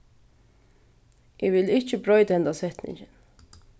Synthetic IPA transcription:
ʔɪʋɪlɪt͡ʃəbɾɔʏd̪ɛnd̪asɛt̪nɪ̰ŋçən

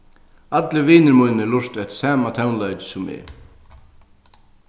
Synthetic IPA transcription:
at̪lɪʋiːnɪɾmujnɪlʊr̥t̪ɛht̪saːmat̪ʰɛwnlœɥt͡ɕɪ̥sʊmɪ̰

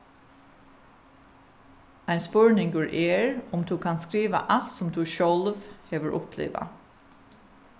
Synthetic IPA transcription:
æɪnspœɹnɪŋɡəɹʔeːɹʊmt̪ʰʉːkʰɑːnskɹiːʋa̰ʔɑlt̪sʊmd̪ʰʉːʃɔlʋheːʋəɹʔʊ̰pʰlḛːʋa̰

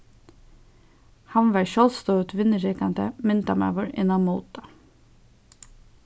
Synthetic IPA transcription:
hɑnʋæːɹʃɔlst̪œʉt̪ʋɪnːəɹɛkand̪ə̰mɪnt̪amæ̰ːʋɔɹɪnamuːt̪ɑ

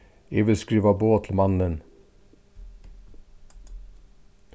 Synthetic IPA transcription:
eʋɪlskɾiːʋɑboːt̪ʰl̩mɑnən

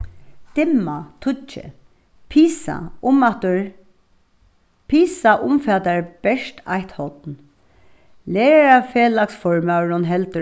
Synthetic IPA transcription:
t̪ɪmːat̪ʰʊt͡ʃɪ̰ | pʰiːsa̰ʊmat̪ʊɹ | pʰiːsaʔʊmfɛːt̪aɹb̥ɛʂt̪a̰jht̪hɔt̪n | leːɹaɹafeːlaksfɔɹmaɾʊnɦɛlt̪ə

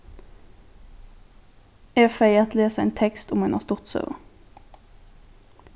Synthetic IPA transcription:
ɛfeɪɑt̪leːsəɛ̰ḛɪːnt̪ʰɛkst̪ʊmʉnhɑ̰ːʁst̪ʊʁt̪sø̰ːʁə

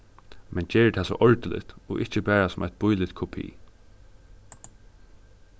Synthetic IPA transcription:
mɛnt͡ʃeːɹət̪ʰɛːsɔ̰ːʔɔɹt̪ɪlɪ̰t̪ɔʔɪht͡ʃəbæːɹasʊmʔɛjt̪̚b̥ʊjlɪt̪kʰɔpʰḭː

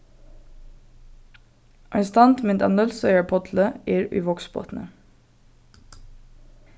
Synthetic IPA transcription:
ʔɑst̪ɑnt̪mɪnt̪ʰɑ̰nœlsœʏəɹpʰɔt̪ʰləeːɾʉ̰ːʋɔksbo̰ːt̪nə̰

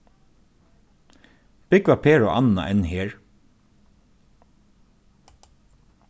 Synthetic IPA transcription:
b̥ɪkʋapʰeːɹɔʔanːa̰ʔɛnːheːɹ

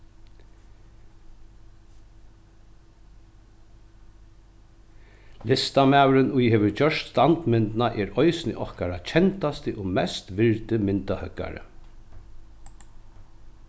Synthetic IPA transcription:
lɪst̪amæːwɾɪnʊjheːʋəɾt͡ɕœʃt̪st̪ant̪mɪnt̪ɪnaʔɛːɾɔjsnɪ̰ʔɔhkaɾat͡ʃʰɛnt̪ast̪əʔoːmɛst̪ʋɪɹt̪əmɪnt̪ahœkːa̰ɾə̰

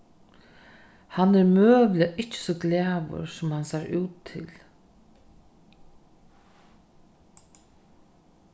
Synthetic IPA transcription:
hanːɛɾmøːʋlɪaʔɪt͡ʃɪ̥sɔɡlæːʋʊ̰ɾsʊmhansaːɾʉːt̪ʰːɪ̰l

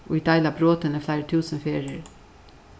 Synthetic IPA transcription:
ʔo̰ːɪd̪æɪlɑbɾoːt̪ənəflæɪɾət̪ʰʉːsənfeːɹəɹ

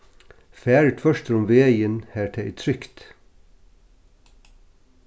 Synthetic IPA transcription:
fæːɹəʈ̪ʰfœʃt̪ɾʊmʋeːɪjənhæːʈʰeʔḭt̪ʰɾʏkt̪

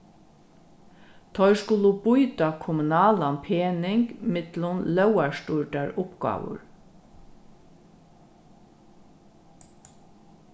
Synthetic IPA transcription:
t̪ʰɔʏskʊlubʊjt̪ɑkʰʊmʊnɑːlɑnpʰeːnɪŋkmɪt̪lʊnlœwæɹst̪ʊɹʈɑɹʊpɡ̥ɑ̰ːʋʊ̰ɹ

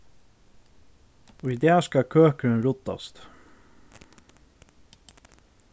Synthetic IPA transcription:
ɔid̪ɛːskɑkʰøːkəɾənɾʊt̪ɑ̰st̪

